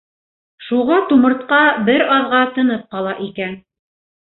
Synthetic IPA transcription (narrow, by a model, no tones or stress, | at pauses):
ʃuʁɑt̪umɤ̆ɾt̪qɑbɘɾɑðʁɑt̪ɤ̆nɤp̚qɑlˠɑʔikæn